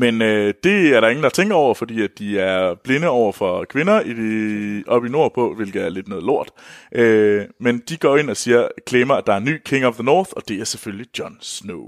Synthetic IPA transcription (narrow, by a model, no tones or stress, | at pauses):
menød̥e̝æɐɾɑ̈e̝ŋn̩dɑ̈t͡sʰeŋ̰ɡ̥ɐɒʊ̰ɐfɒd̥ḭːæd̥̚d̥iæɐb̥le̝nəɒʊ̰ɐfɒ̽kʰʋe̝nɐi̥ | ʔɒ̽b̥ino̝ɐ̰pʰɒ̽ʋe̝lɡ̥ð̩ˠæɐle̝d̥nɔ̽ːðˠlo̝ɐ̰d̥ʔømend̥iɡ̥ɒ̰e̝n̰ɒ̽siːɐkʰleːmɐæd̥ɑ̈æɐnːy̰ːkʰe̝ŋɒʋðənɔːθɒ̽d̥e̝æɐseføllid̥jɒ̽nsnoʊ